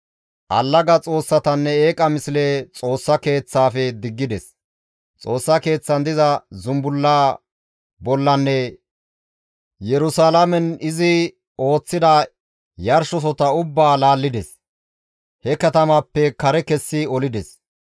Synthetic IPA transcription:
ʔɐ̰lːɐɡɐt͡sʼo̞ːsːɐt̪ɐnːɛeːkʼɐmɪslet͡sʼo̞ːsːɐke̞ːt͡sːaːfɛd̪ɪɡːɪd̪ɛs | t͡sʼo̞ːsːɐke̞ːt͡sːɐnd̪ɪzɐzʊmbʊlːaː | bɔlːɐnːɛ | jɛɾʊsaːlɐmɛnɪzɪ | o̞ːt͡sːɪd̪ɐ | jɐɾʃɔs̬ɔt̪ɐʊbːaːlaːlːɪd̪ɛs | hɛkɐt̪ɐmapːɛkɐɾɛkɛsːɪɔlɪd̪ɛs

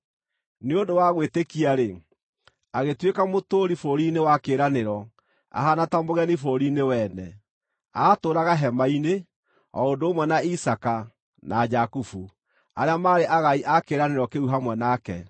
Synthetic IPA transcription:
neondowaɣwetekiaɾe | aɣetwekamotoːɾifoɾinewakeɾaneɾɔ | a̰ɦanatamoɣɛnifoɾinewɛnɛ | atoːɾaɣaɦɛmaine | ɔondoːmwɛnaisaka | nad͡ʒakufu | aɾeamaːɾeʔaɣaiʔakeːɾaneɾɔkeuɦamwɛnakɛ

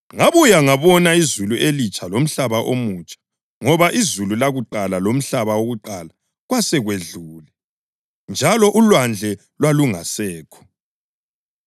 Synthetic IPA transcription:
ŋaβujaŋaβɔnaizuluʔelit͡ʃʼalom̩ɬaβaʔomut͡ʃʼḁ | ŋɔβaʔizululaɣuǃalalom̩ɬaβawoɣuǃala | ɣwasɛɣweɮuːlɛ | nd͡ʒʱalɔʔulwand͡ɮʱɛ | lwaluŋasɛːkʰɔ̥

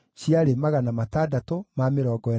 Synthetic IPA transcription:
ɕiaɾemaɣanamatadatomameɾɔːɡɔɛ

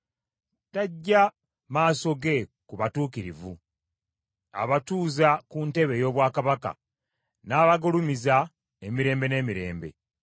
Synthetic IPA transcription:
taɟːa | maːso̞ɡe̞kuβatuːkiɾivu | a̰βatuːzakunte̞βe̞jo̞ːβwaːkaβaka̰ | naːβaɡulumiza | emiɾe̞ːmbe̞ne̞ːmiɾe̞ːmbe̞̰

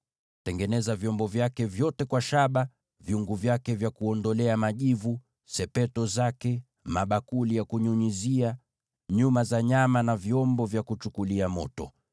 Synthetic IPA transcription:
tɛŋɡɛnɛzavjɔmbɔvjakɛvjɔtɛkwaʃaɓa | vjiuŋɡuvjakɛvjakuɔndɔlɛamaʄivu | sɛpɛtɔzakɛ | maɓakulijakuɲuɲizia | ɲumazaɲamanavjɔmbɔvjakut͡ʃukuliamɔtɔ̰

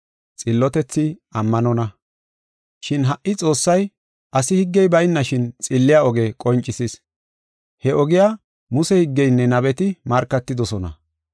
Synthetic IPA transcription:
t͡sʼɪlːɔt̪ɛt͡sːɪɐmːɐnɔnɐ | ʃɪnɦɐʔːɪt͡sʼo̞ːsːɐj | ʔɐsɪhɪɡːɛjbɐjnːɐʃɪnt͡sʼɪlːɪjaɔɡekʼɔnt͡ʃʼːɪsis | hɛʔɔɡɪjaː | mʊsɛhɪɡːɛjnːɛnɐbɛt̪ɪmɐɾkːɐt̪ːɪd̪ɔsɔnɐ̰

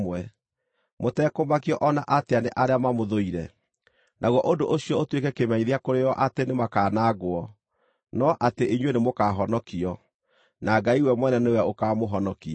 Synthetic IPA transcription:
wɛ | motɛːkomakiɔʔɔnaʔateaneʔaɾeamamoðoiɾɛ̰ | nʔaɣwɔʔodoʔoɕiɔotwekɛkemɛɲiðeakoɾejɔʔatenemakaːnaɡoɔ | nɔʔateʔiɲwenemokaɦɔnɔkiɔ | naɡaiwɛmwɛnɛnewɛokaːmoɦɔnɔki

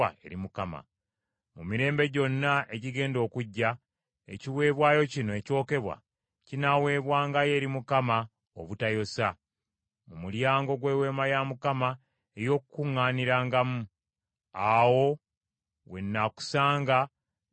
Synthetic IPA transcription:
aḛɾimukama̰ | mumiɾe̞ːmbe̞ɟo̞nːaʔe̞ɟiɡe̞ːndo̞ːkuɟːa | e̞̰ciwe̞ːβwaːjo̞cinoeco̞ːke̞βwa̰ | cinawe̞ːβwaːŋɡaje̞ɾimukama | o̰βutajo̞sa | mumuljaːŋɡo̞ɡwe̞ːwe̞ːmajamukama | ejo̞ːkukuŋːaːniɾaːŋɡamu | awo̞ | we̞nːaku̥saːŋɡa

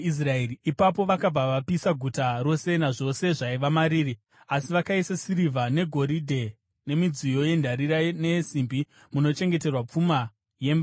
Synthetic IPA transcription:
is̬raeriipapo̞ʋakab͡vaʋapisaɡʱutaɾo̞se̞naʐo̞se̞ʐaiʋamaɾiːɾi | asiʋakaisasiɾivane̞ɡʱo̞ɾidʱe̞ | ne̞mid͡zijo̞je̞ndʱaɾiɾane̞simbi | muno̞t͡ʃe̞ŋɡe̞te̞rwap͡fuma | je̞mba

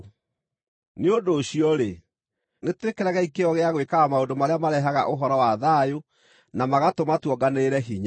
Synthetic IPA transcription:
neondoːɕiɔɾe | netwekɛɾaɣaikeɔɣeaɣwekaamaondomaɾeamaɾɛɦaɣa̰ʔoɦɔɾɔwaðajo | namaɣatomatwɔɡaneɾɛɦiɲa

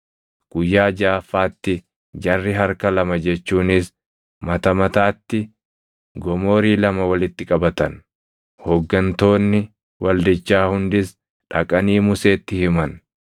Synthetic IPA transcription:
ɡ̥ʊjːaːd͡ʒaːfːaːt̪ːɪ | d͡ʒɐrːɪɦɐɾkɐlɐmɐd͡ʒɛt͡ʃːuːnɪs | mɐt̪ɐmɐt̪aːt̪ːɪ | ɡɔmo̞ːɾiːlɐmɐwɐlɪt̪ːɪkʼɐbɐt̪ɐn | hɔɡːɐnt̪o̞ːnːɪ | wɐld̪ɪt͡ʃːaːhʊnd̪ɪs | ᶑɐkʼɐniːmʊse̞ːt̪ːɪhɪmɐn

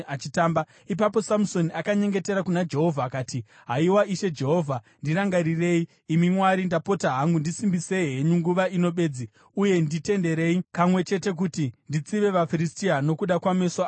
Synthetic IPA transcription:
at͡ʃitaːmba | ipapo̞samusoniakaɲe̞ŋɡe̞te̞ɾakunad͡ʒe̞ɦo̞vʱaːkaːti | ɦaiwaʔiʃe̞d͡ʒe̞ɦo̞ːvʱa | ndiɾaŋɡaɾire̞ːi | imimwaɾindapo̞taɦaŋɡundisimbise̞iɦeɲuŋɡuʋaino̞ɓe̞ːd͡zi | uje̞ndite̞nde̞ɾe̞ipamwe̞t͡ʃe̞te̞k̬utindit͡siʋe̞ʋafiɾistiano̞kuɗakwameso

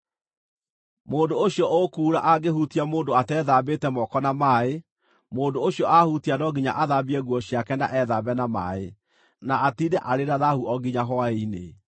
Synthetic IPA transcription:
moːndooɕjɔokuːɾaʔaɡehutiamoːndoatɛːðabetɛmɔkɔnamaːe | moːndooɕjɔʔahutianɔɡiɲa̰ʔaðabiɛɣwɔɕiakɛna̰ʔɛðabɛnama̰ːe | naatidɛʔaɾeɾaðahuɔɡiɲaɦɔaeinḛ

